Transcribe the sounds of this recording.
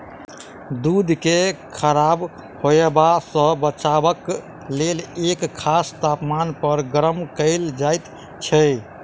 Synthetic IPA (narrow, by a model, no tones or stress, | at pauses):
d̪ud̪ʱkekʰəɾab | hoebasə̃bət͡ʃabək | lelekʰːast̪apmanpəɾɡɾəmkəɪld͡ʒajt̪ | t͡ʃʰɛ